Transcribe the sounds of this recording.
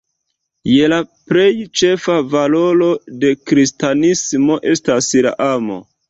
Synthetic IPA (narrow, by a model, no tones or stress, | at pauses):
je̞lapɾe̞jt͡ʃe̞favalo̞lo̞de̞kɾistanismo̞ʔe̞stasla̰ʔamo̞̰